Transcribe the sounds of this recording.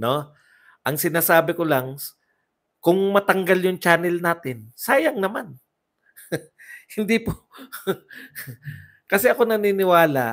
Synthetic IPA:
no̞ | ʔɐŋsɪnaːsaːbɪkolaŋ | kʊŋmɐt̪ɐŋɡaljʊŋt͡ʃaːnɛlnaːt̪ɪnsaːjɐŋnɐman | hɪnd̪ipo | kɐsɛʔɐko̞nɐninɪwaːla

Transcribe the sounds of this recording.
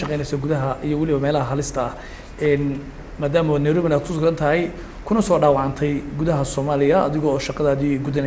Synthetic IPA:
ʃɑqɛjnɛjsɔɡʊðɐɦɐʔijɔwɑlɪβɐmɛːlɐɦɐɦɐlɪst̪ʰɐɐh | ɛːn | maːðaːmɐwnːɛjɾɔːβɪnaːd̪̚kʰʊsʊɡɐnt̪ʰɐɦɛj | kʰʊnɐsɔːɖaːwɑʕɑnt̪ʰɛjɡʊðɐɦɐsɔːmaːlɪjɐɐ̰ðɪɣɔːʃɑqɑðaːðiɡʊðɐn

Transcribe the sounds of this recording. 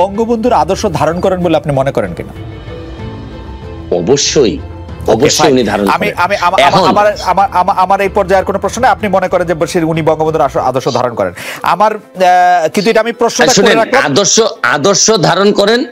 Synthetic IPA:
ɔŋɡobond̪ʱuɾad̪oɾʃod̪ʱaɾonkɔɾenboleapnimɔnekɔɾenkḭna̰ | ɔ̰boʃːoj | ɔboʃːojunid̪ʱaɾonammiʔamiamaɛakmoamaɾamaamaʔamaɾejpɔɾd͡ʑaeɾkonopɾoʃnonajapnimonekɔɾend͡ʑebəʃiɾunibɔŋɡobond̪uɾaoa̰d̪oɾʃod̪ʱaɾonkɔɾḛna̰maɾ | kint̪ueiʈaamipɾoʃnoaʃuoɾeɾakklaad̪oɾʃoa̰d̪oɾʃod̪ʱaɾonkɔɾen

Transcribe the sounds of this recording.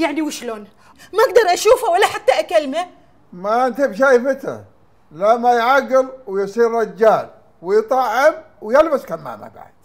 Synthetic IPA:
jaʕniwɪʃloːn | maʔaɡd̪ɑɾˤʔaʃuːfawalːaħat̪ːaʔakalma | maʔɪnt̪ɪbʃ̬ajfɪt̪ɾa̰ | lamːajʕaɡːɪlwɪjsˤiːɾɾɑd͡ʒːaːl | wɪjt̪ˤɑʕːɪmwjɪlbaskamːa̰ːma̰ba̰ʕd̪̥

